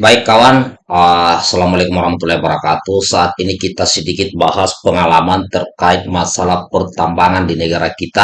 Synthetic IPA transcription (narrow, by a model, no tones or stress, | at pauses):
baɪkːawan | əsalamalekumwaɾahmat̪ulahibəɾakat̪usaːt̪̚inikit̪asədikɪt̪̚baɦaspəŋalamant̪ərkaɪt̪̚masalahpərt̪ambaŋandinəɡaɾakit̪a